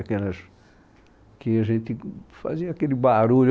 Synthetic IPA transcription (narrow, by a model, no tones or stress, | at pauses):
kelɐs | kɪaʒẽnt̪ɪfa̰ziɐakelɪbaɾuʎʊ